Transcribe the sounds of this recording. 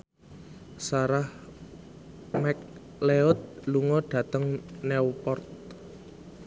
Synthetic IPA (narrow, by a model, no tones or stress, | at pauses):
saɾah | mɛk̚ | leɔt̪̚luŋɔɖ̥ä̤t̪əŋnɛwpɔrt̪̚